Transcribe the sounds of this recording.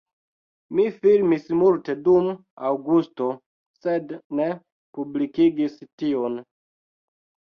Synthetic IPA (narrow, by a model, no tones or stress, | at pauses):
mifilmismulte̞dum | awɡusto̞ | sedne | publikiɡistion